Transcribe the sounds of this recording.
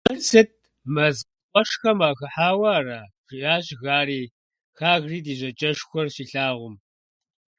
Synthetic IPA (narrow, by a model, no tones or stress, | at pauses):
ɐsɐt̚ | mɐz | qʷʼɔʂxɐmaːxɐħaːwɐːraːʐ̥ɪjaːɕɣaːɾiː | xaːɣriːdiːʑɐt͡ʃʼɐʂxʷɔrɕiːɬaːʁʷʊm